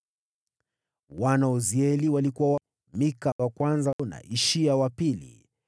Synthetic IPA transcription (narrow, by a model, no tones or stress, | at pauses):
wanaɔziɛliwalikuwaa | mikawakwanzana̰ʔiʃiawapilḭ